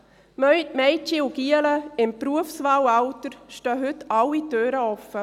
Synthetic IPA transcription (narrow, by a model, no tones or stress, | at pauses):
mœʏtmɛjt͡ʃiuɡiələɪmpɾuəfsʋaːwɑwtəɾʃtœːɦʏtɑwitøːɾəɔfːə